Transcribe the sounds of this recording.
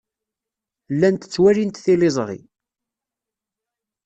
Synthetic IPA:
lːænt̪ə̥t͡sːwæɾint̪θilezˤʁḭ

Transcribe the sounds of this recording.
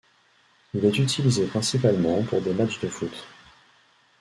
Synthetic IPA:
ilɛt̪yt̪ʰilizepχɛ̃sipalmɑ̃puʁd̪emat͡ʃd̪əfut̪

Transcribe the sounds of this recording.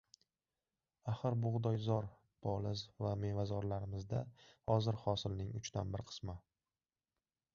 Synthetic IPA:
aχɨɾbʊʁd̪ɒjzɒɾ | b̥ʰɒlɪzvame̞vazɒɾlaɾɪmɪzd̪ahɒzɪɾhɒsɪlnɪŋʊt͡ʃt̪ʰanbɪɾqʰɨ̥sma

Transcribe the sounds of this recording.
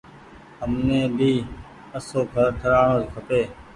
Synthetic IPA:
ɦəmnẽːbiː | əsoːkʰəɾʈ̪ʰəɾaːɳoːskʰəpeː

